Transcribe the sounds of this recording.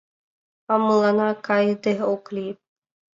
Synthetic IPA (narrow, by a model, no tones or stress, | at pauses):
amulˠanakajd̪eɦokli